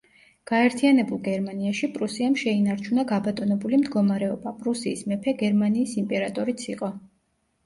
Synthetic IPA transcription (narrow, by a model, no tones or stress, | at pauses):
ɡ̥aɛɾt̪ʰianɛbulˠɡɛɾmaniaʃipʼɾusiamʃɛinaɾt͡ʃʰunaɡabat̪ʼɔnɛbulimd̪ɡɔmaɾɛɔbapʼɾusiːsmɛpʰɛɡɛɾmaniːsimpʼɛɾat̪ʼɔɾit̪sʰiqʼɔ